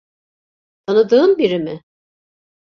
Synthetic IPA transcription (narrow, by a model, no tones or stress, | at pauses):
t̪ʰanɯd̪ɯːmbiɾimɪ